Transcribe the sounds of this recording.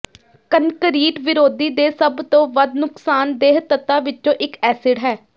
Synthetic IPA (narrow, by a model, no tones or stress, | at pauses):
kənkəɾiːʈʋɪɾoːd̪iːd̪eːsəbt̪õːʋəd̪nʊksaːnd̪eːɦt̪ət̪ːãːʋɪt͡ʃõːʔɪkɛːsɪɖɦɛː